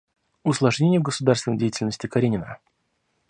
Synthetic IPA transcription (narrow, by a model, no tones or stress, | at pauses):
ʊslˠɐʐnʲenʲɪjəvɡəsʊd̪arst̪vɪnəjdʲejɪtʲɪlʲnəsʲtʲɪkɐɾʲenʲɪnə̰